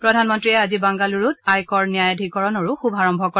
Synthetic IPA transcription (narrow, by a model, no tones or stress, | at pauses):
pɹɔdʱanmɔntɹiɛazibaŋɡaluɹutajkɔɹnijajadʱikɔɹɔnɔɹuxubʱaɹɔmbʱɔkɔ